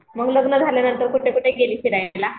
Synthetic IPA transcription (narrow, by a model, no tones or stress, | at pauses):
m̤əɡləɡnəd͡zʱaljanənt̪əɾkuʈʰekuʈʰeɡeliːɕiɾajla